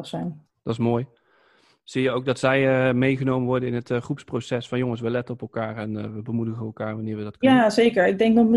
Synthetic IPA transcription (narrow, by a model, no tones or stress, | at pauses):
χsɛjn | d̥ɑtɪsmoːj | z̥iːjəowɡ̚dɑtsɛjmejχənowmənʋɔɹdənɪnɦətχrupsprowsɛsfɑnjɔŋəsʋəlɛtənɔpɛlˠkaːrɛnʋəbəmudəχənɛlˠkaːɹʋɑnɪːɹʋədɑtaːzejkəɹɪɡ̚dɛŋk̚dɔtmə